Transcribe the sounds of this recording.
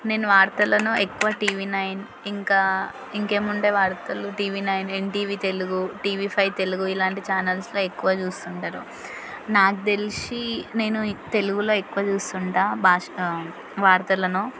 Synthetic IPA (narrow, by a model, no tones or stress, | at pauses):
ne̞ːnuʋaːɾt̪ɐlɐnuekːuʋaːʈiːʋiːnɐjn | iŋkaː | iŋke̞ːmuɳʈe̞ːʋaːɾt̪ɐluʈiːʋiːnɐjneɳʈiːʋiːt̪e̞luɡuʈiːʋiːpʰɐjt̪e̞luɡuilaːɳʈit͡ʃaːnɐlslo̞ːekːuʋaːt͡ʃuːst̪uɳʈaːɾu | naːkut̪e̞lisine̞ːnut̪e̞luɡulo̞ːekːuʋaːt͡ʃuːst̪uɳʈaːbʱaːʂ | ʋaːɾt̪ɐlɐnu